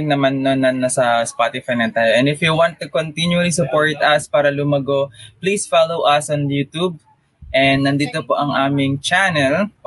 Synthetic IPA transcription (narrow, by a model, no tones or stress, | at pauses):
ŋnɐmanːonɐnnːɐsɐspat̪ɪfajnɐnt̪aːjoʔɛ̃nɪfjuwãnt̪ːukont̪injuɐlisʊpoɹt̪ɐspaːɾɐlʊmɐɡopliːsfalowʔɐsɔnjuːt̪ub̚ | ʔɛnd̪nɐnd̪iːt̪opoʔɐŋʔaːmɪŋt͡ʃanɛl